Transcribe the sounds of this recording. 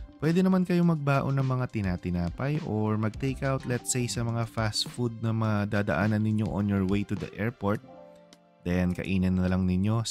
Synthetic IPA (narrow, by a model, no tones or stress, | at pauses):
pwɛːd̪ɛnɐmankɐjo̞mɐɡ̚baːʔo̞nɐŋmɐŋat̪ɪnaːt̪ɪnaːpɐjʔoɹmɐɡ̚t̪ejkawt̪lɛt̪sejsɐmɐŋafast̪fud̪̚nɐmɐad̪aːd̪ɐ̰ʔaːnɐnːɪɲjo̞ʔonjoɹwejt̪ud̪ɐ̰ʔɛɹpoɹt̪̚ | d̪̥ɛnkɐ̰ʔiːnɐnːɐlɐŋnɪɲjo̞